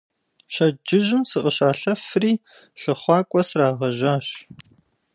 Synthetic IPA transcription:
ɕɐd͡ʒɪʑɪmsɨqʼəɕaːɬɐfriː | ɬɨχʷɑːkʷʼɔsraːʁɐʑaːɕ

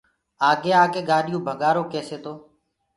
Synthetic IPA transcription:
aːɡeːaːɡeːɠaːɗɪjũːbʱəɠaːɾoːkeːseːt̪oː

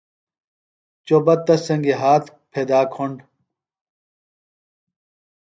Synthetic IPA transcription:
t͡ɕobɐt̪ːɐsɐŋɡiɦaːt̪ʰ | pʰeːd̪aːkʰoɳɖ

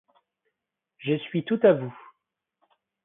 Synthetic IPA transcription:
ʒəsɥit̪ut̪avu

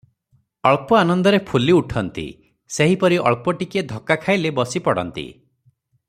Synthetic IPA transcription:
ɔɭpɔanɔnd̪ɔɾepʰuliuʈʰɔnt̪ḭ | seɦipɔɾiʔɔ̰ɭpɔʈiked̪ʱɔkakʰajlebɔsipɔɽɔ̰nt̪ḭ

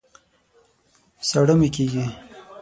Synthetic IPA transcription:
saɽəmekeɡi

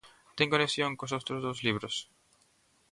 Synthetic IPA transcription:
t̪eŋkoneksjoŋkosowt̪ɾozðozliβɾos

